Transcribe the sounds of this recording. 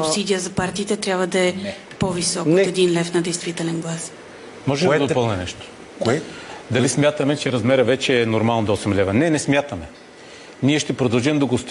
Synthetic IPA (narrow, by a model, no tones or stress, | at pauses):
supssid̪ijəzɐpaɾt̪iːt̪ɛt̪ɾʲjabvəd̪ɐɛ | povisɔkːt̪ɛd̪inlɛfnɐd̪ɛjst̪vit̪ɛlɛnɡlˠas | mɔʒɛɛd̪ɐd̪opəlˠnʲɛnɛʃt̪o̥ | koɛd̪ɐlismʲjat̪əmɛt͡ʃɛɾɐzmɛɾəvɛt͡ʃɛːnoɾmalˠnod̪oɔsɛmlɛvɐnɛnɛsmʲjat̪əmɛ | niɛʃt̪ɛpɾod̪ɐlˠʒɛmd̪ɐɡost̪